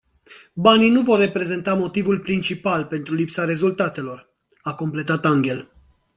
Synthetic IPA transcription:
baninuvo̞rːe̞pɾe̞ze̞nt̪amo̞t̪ivulpɾint͡ʃipalpe̞nt̪ɾulipsaɾe̞zult̪at̪e̞lo̞r | ako̞mple̞t̪at̪aŋɡʲe̞l

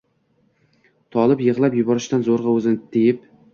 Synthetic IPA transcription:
t̪ʰɒlˠɪpjɨʁlˠapjʊbɒɾɪʃt̪anzoɾʁɑɵzɪnt̪ejɪp̚

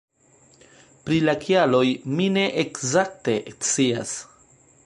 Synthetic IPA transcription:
pɾilakialo̞jmine̞ʔekzak̚te̞ʔt͡sia̰s

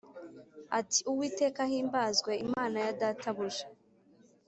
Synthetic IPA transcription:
atiuwiːte̞ːkahiːmbaːzɡwe̞imaːnajadaːtaβuʒe

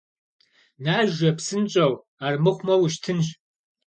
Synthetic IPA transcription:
naːʒɐpsɨnt͡ʃʼɐw | aːrmɨχʷmɐwʃtʰɨnɕ

